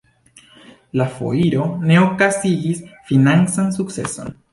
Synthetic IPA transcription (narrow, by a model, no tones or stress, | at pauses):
lafo̰iɾoneokasiɣisfinansansuksḛso̰n